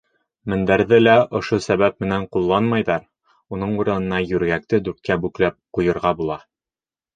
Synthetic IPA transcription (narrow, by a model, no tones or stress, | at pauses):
mɘ̆nd̪æɾðɘlæʔŏʃosæβæp̚mɘ̆næɴqulˠːɑnmɑjðɑɾ | unɤɴuɾɤ̆nɤ̆nɑjʉɾɡæk̚t̪ɘd̪ʉɾt̪̚kæbʉklæp̚qujɤ̆ɾʁɑbulˠɑ